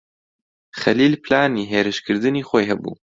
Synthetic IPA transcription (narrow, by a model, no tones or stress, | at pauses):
χɐliːlpɨlaːniːɦeːɾɨʃkʰɨɾd̪ɨniːxoːjɦɐbṵː